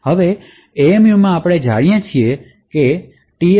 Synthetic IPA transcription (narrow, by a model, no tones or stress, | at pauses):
həʋeː | mjumãaːpɽ̃ed͡ʒʱa̰ɽijãt͡ʃʰie | ke | ʈi